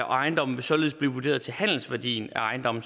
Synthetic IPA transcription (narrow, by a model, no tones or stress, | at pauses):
æʔɑ̈ɪnd̥ɒ̽m̰n̩ʋe̝sɒ̽le̝ð̩ˠsb̥li̝ʋud̥e̝̰ɐð̞ˠt͡sʰe̝lhæn̰l̩sʋæɐd̥ḭːnæɑ̈ɪnd̥ɒ̽mn̩